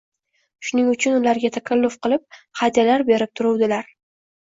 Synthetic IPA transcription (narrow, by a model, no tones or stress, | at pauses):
ʃʊnɪŋʊt͡ʃʰʊnʊlaɾɡʲat̪ʰakʰʲalːʊfqɨlˠɪp̚χad̪jalaɾbe̞ɾɪp̚t̪ʰʊɾʊwd̪ɪlaɾ